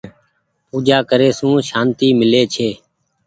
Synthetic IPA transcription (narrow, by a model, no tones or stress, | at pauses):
puːd͡ʒaːkəɾeːsũːʃaːnt̪iːmɪleːt͡ʃʰeː